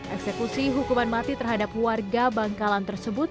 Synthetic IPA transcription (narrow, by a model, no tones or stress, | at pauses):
ʔɛksɛkusiɦukumanmat̪it̪ərɦadap̚warɡabaŋkalant̪ərsəbʊt̪̚